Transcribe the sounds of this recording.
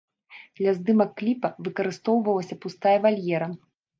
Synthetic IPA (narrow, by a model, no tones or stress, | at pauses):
d̪lʲɐzd̪ɨmɐkːlʲipɐvɨkɐɾɨst̪ɔwvɐlˠɐsʲɐpust̪ajɐvalʲjɛɾɐ